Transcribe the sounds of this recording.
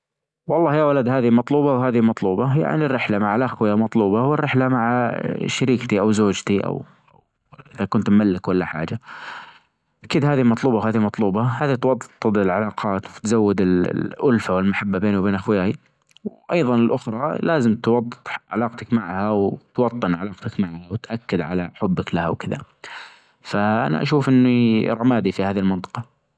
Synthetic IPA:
wɑlˤːɑːhjawalad̪haːðimɑt̪ˤluːbɑwhaːðimɑt̪ˤluːbɑja̰ʕnirːɪħlamaʕalʔaxwɪjamɑt̪ˤluːbɑwɪrːɪħlamaʕa̰ʃaɾiːkt̪iʔawzoːd͡ʒt̪iʔa̰w | ʔɪðakʊnt̪mːalːɪkwalːaħa̰ːd͡ʒa | ʔakiːd̪haːðimɑt̪ˤluːbɑwhaːðimɑt̪ˤluːbɑhaːðit̪wɑd̪ˤːt̪ˤːɨd̪ˤɪlʕalɑːqʰɑːt̪wɪt̪zawːɪd̪ɪl̰ʔʊlfawɪlmaħabːabeːnuwbeːnʔaxwjaːji | wʔɑjðˤɑnɪlʔʊxɾˤɑlaːzɪmt̪wɑd̪̥ˤːt̪ʕa̰lɑːqt̪akmaʕhawt̪wɑt̪ˤːɨnʕalɑːqt̪akmaʕhawt̪ʔakːɪd̪ʕa̰la̰ħʊbːɪklaha̰wkɪða̰ | faʔa̰na̰ʔa̰ʃuːfʔɪnːiɾˤɑmaːd̪ifihaːðilmɪnt̪ˤɨ̥qɑ

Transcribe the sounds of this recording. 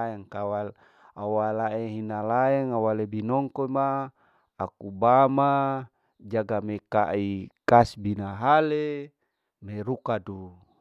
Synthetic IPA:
ɛŋkawal | awalaeɦinalaɛŋawalebinɔŋkomaː | kubama | d͡ʒaɡamekaʔikasbinaɦale | meɾukadu

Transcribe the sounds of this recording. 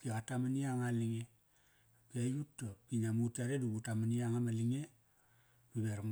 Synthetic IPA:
kiɣatamaniaŋaliŋe | kejutːokiɲamutaɾedubutamaniaŋamaliŋe | mibeɾ

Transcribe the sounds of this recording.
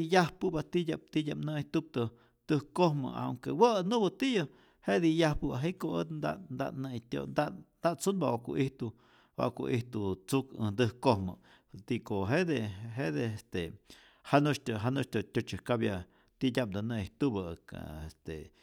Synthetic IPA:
jahpɨbat̪idʲap̚t̪idʲapnɨht̪ub̚t̪ɨ | d̪̥ɨhkohmə̰a̰ŋkḛwaʔnubɨt̪iʔja | hed̪ijahpɨbaɦiʔkoed̪nd̪a̰nd̪a̰ʔnət̪ʲo̰nd̪and̪aʔt͡sunbawaʔkṵʔiht̪u | wa̰ʔkṵʔiht̪ut͡sukɨnd̪ɨhkohmɨ̰ | t̪ikoɦed̪eɦed̪eest̪e | hanut͡ʃt̪ɦanut͡ʃt̪ot̪ʲot͡ʃɨkabja | t̪idʲap̚d̪ɨnejht̪ubə̰a̰est̪ḛ

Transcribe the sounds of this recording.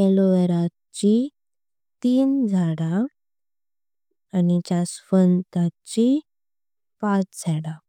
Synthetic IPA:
ɛloʋeɾa | t͡ɕi | t̪iːnd͡zʱaɽa | nit͡ɕasfənt̪at͡ɕi | pat͡sd͡zʱaɽa

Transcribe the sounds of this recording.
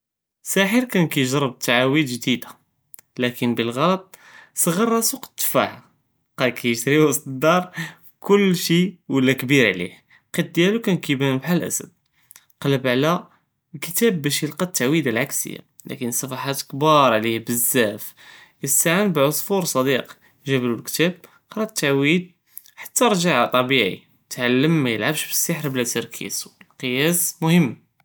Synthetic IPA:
sæħəɾkænkæjʒɾˤəb̚t̪ʰːaʕawid̪ʒd̪id̪a | lækənbəlɣɑlɑt̪̚ˤsˤəɣərˤːɑsuqt̪ːfa̰ħa | qɑlkæjəʃt̪ɾiwɑst̪əd̪ɑɾˤ | kʊlːʃiwəlːækbiɾʕlḭh | qit̪̚d̪jælukænkibænəbħalʔæ̰sə̰b̚ | qɑləbʕlæ | lkət̪æbːæʃjəlqɑt̪ːaʕwid̪alʕaksə̰jːa̰ | læ̰kənsˤːɑfɑħat̪kbɑɾˤʕlihbəzːæf | jəst̪aʕənbʕosˤfuɾˤsˤɑd̪iq | ʒæblulkt̪æb̚ | qɾˤɑt̪ːaʕwid̪̚ | ħḁt̪ːaɾˤʒaʕt̪ˤɑbiʕḭ | t̪ʕalːəmːæjəlʕabʃbə̥sːəħɾblæt̪əɾˤkʰḭswlqəjæsmʊhəmː

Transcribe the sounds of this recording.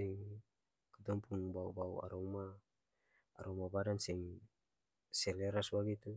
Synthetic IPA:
ɛŋ | kət̪ɔmpuŋbaubawa̰ɾoŋmaː | ɾoŋmabadansɛŋ | seleɾasbaɡit̪u

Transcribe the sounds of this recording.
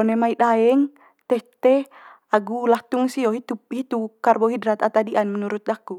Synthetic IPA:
ɔnɛmaidaɛŋ | t̪ɛht̪ɛ | aɡulaht̪uŋsiɔɦit̪up̚hit̪ukarbɔɦidɾat̪at̪adiʔanmɛnuɾut̪̚aku

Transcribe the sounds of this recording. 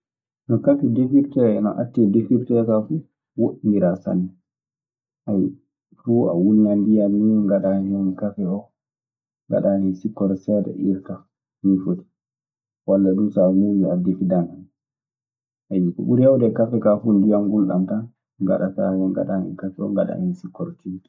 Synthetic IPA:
nɔkafidefiɾtɛɛnɔ̰ʔa̰tːɛdefiɾtɛɾkafu | woɗimiɾasa̰nːɛ | ʔaj | fua̰wuniandijamːiŋɡaɗaɲɛnkafɛɔ | ŋɡa̰ɗanɛsikːɔɾsɛdɛ̰ʔiɾta | mifoti̥ | walːaɗusamuuadefidanan | ajikɔ̰ɓuɾhawdɛkafɛkafundijanɡulɗa̰mtan | ŋɡa̰ɗatajɛŋɡa̰ɗanɛ̰kafɛɔ̰ŋɡaɗa̰nɛnsikːɔɾtitɛ̥

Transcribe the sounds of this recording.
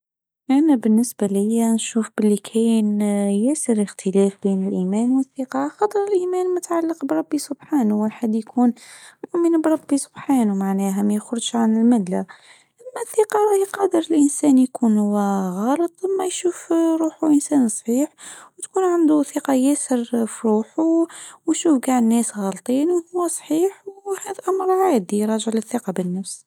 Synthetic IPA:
ʔænæbɪnːɪsbælɪjːænʃuːfb̥ɪlːikʰæːnjæsəɾəxt̪ʰəlæːfbiːnɪlʔiːmænwəθːiːqɑxɑt̪ˤəɾˤɪlʔiːmæːnmʊt̪ʕalːɑqbɾˤɑbːisʊbħaːnuwəlħad̪ːjkʰuːnmʊʔmənbɾˤɑbːisʊ̥bħaːnumaʕnæɦæmæjxʊɾʒʕanɪlmɪlːa | ʔæmːæθiːqɑɾˤɑhiqɑd̪əɾəlʔənsænjkʰunhʊwæɣɑːlət̪ˤmːæjʃuːfɾˤuːħuʔənsæːnsˤħiːħwt̪kuːnʕand̪uθiːqɑjæsəɾfiɾuːħuwʃuːfɡaʕnːɛːsɣɑlt̪ˤiːnwhʊwːæsˤħiːħwhæd̪æʔamɾˤʕaːd̪ijɾˤɑʒəʕlɪθːiqɑbənːæfs

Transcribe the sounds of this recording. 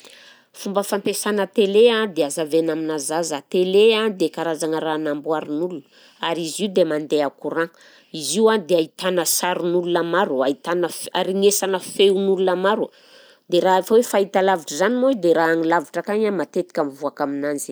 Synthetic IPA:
fumbəfampesanət̪elead̪eazavenaminazazat̪elead̪ekaɾazaŋəɾanambuaɾinulun | aɾiziud̪emand̪eakuɾa | iziwad̪eait̪anəsaɾunulunamaɾuait̪anəfaɾiŋesanəfeunulunamaɾwə | d̪eɾaafawefait̪alaviʈ͡ʂəzanimod̪eɾaaŋilaviʈ͡ʂəkaɲamat̪et̪i̥kʲamivuakaminanzi̥

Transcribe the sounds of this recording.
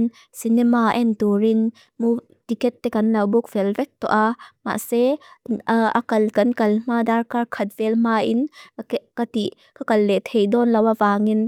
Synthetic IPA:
n | sinɛmaʔɛntuɾin | mu | t̪ikɛtːɛkɐnlɐwbuk̚v̥ɛlvɛk̚t̪ɔ̰ʔama̰ʔsɛ | ɐkɐlkɐnkɐlm̥aːdarkarkʰɐt̪̚v̥ɛlm̥ainkɐtiʔ | kakɐlːɛt̪ʰejdɔnlɐwavaːŋin

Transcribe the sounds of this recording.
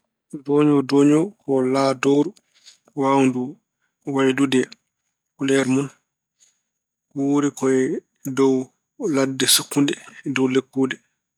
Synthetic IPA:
dɔɲɔdɔɲɔkɔlaːdɔɾu | wawndu | wajdudɛ | kulɛɾmɔn | wuːɾɛkɔɛ | dɔw | ladːɛsukːundɛdɔwlekːuːdɛ

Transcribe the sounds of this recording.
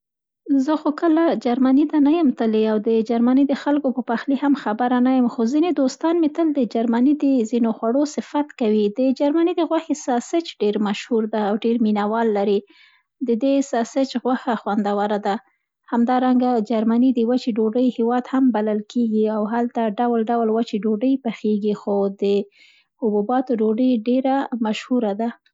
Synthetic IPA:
zəxokəlad͡ʒaɾmanit̪anajəmt̪əleawd̪əd͡ʒaɾmanid̪əxalkopəpaxlihamxabaɾanajəmxozined̪ost̪ɑnmet̪əld̪əd͡ʒaɾmanid̪əzinoxwaɽosɪfat̪kawid̪əd͡ʒaɾmanid̪əɣwaxesɑsɪt͡ʃɖeɾmaʃhuɾd̪aːwɖeɾminawɑlːaɾi | d̪əd̪esɑsɪt͡ʃɣwaxaxwand̪awaɾad̪a | hamd̪ɑɾaŋɡad͡ʒaɾmanid̪əwat͡ʃeɖoɖəjhɪwɑd̪hambalalkeɡiawɦalt̪aɖawlɖawlwat͡ʃeɖoɖəjpaxeɡixod̪ə | hʊbubɑt̪oɖoɖəjɖeɾamaʃhuɾad̪a

